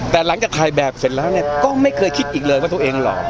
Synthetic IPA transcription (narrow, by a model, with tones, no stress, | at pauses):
t̪ɛː˨˩la˩˦ŋt͡ɕaː˨˩k̚t̪ʰaː˧jbɛː˨˩p̚se˨˩t̪̚lɛː˦˥wni˥˩ɐkɔː˥˩ma˥˩jkʰɤː˧jkʰi˦˥t̪̚ʔiː˨˩k̚lɤː˧jwaː˥˩t̪u˧ʔeː˧ŋlɔ̰ː˨˩˦